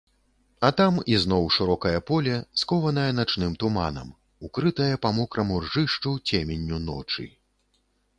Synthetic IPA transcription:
ɐt̪amizn̪ɔwʂɨɾɔkɐjɐpɔlʲɛskɔvɐn̪ɐjɐnat͡ʂnɨmt̪uma̰nɐ̰m | ukɾɨt̪ɐjɐpɐmɔkɾɐmurʐɨʂt͡ʂɐwt͡sʲemʲenʲːunɔ̰t͡ʂɨ̰

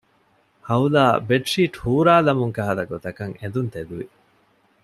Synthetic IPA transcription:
hɐulaːbeʈʂiːʈhuːɾaːlɐmuŋkɐɦɐlɐɡot̪ɐkɐŋed̪unt̪ed̪uʋḭ

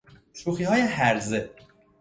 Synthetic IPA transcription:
ʃuːxiːɦɒːje̞hæɾze

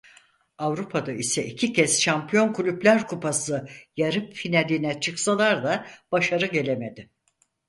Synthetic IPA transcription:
avɾupʰad̪aisɛicʰicʰɛzʃampʰijo̞nkʰulʲyblʲæɾkʰupʰasɯjaɾɯpfinalʲinɛt͡ʃʰɯksalˠaɾd̪ab̥aʃaɾɯɟe̞lʲeme̞d̪ɪ

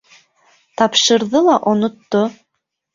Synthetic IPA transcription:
t̪ɑpʃɤ̆ɾðɤlˠɑʔŏnŏt̪ːo

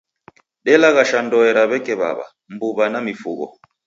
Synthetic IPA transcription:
ɗɛlaɣaʃandɔɛɾaβɛkɛβa̰βa̰ | mbuβanamifuɣɔ̰

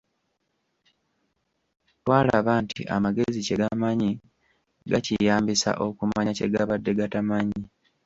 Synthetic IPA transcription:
twaːlaβantʰḭʔa̰maɡe̞ziceɡamaɲi | ɡacijaːmbisa̰ʔo̞kumaɲace̞ɡaβadːe̞ɡatamaɲi

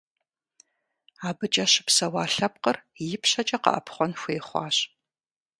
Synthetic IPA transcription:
aːbɨt͡ʃʼɐɕɪpsɐwɑːɬɐp̚qərjɪpʰɕɐt͡ʃʼɐqɐ̰ʔɐ̰pχʷɔnxʷeːχʷɑ̰ːɕ

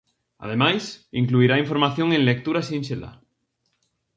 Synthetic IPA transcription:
a̰ð̞emajsiŋkluiɾaiɱfo̞ɾmaθjoŋẽnlek̚t̪uɾasĩnʃela̰

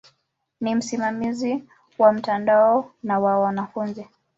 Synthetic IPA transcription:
nim̩simamizi | wam̩tandaɔnawawanafunzi

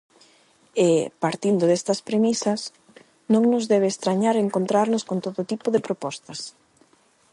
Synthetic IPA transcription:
epaɾt̪ind̪ʊðest̪ɐspɾemisɐs | nõŋnʊzðɛβeːst̪ɾaɲaɾeŋkont̪ɾaɾnʊskont̪oðot̪ipoðepɾopɔst̪ɐs

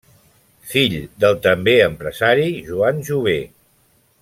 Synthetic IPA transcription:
fiʎd̪əlˠt̪əmbeəmpɾəzaɾiʒuanʒuβe

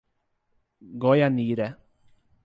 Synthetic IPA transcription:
ɡɔjaniːɾɛ

